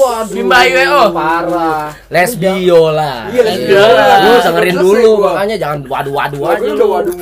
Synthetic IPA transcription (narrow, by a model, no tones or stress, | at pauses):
bimbajwɛɔpaɾua | lɛsbiola | josəŋəɾinduluakaɲad͡ʒaŋanwa̰duwa̰duad͡ʒa